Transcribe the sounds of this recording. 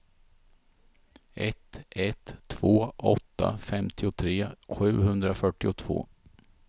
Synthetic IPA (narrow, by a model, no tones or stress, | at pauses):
ʔɛt̪ɛt̪ʰːv̥oːɔt̪ːa̰fɛmt̪ʰɪʊt̪ʰɾeːɧʉ̟ːhɵnd̪ɾafœʈːɪʊt̪ʰv̥o̰ː